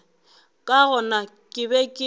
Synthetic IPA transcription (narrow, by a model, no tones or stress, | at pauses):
kʼaɣʊnakʼɪbɛkʼɪ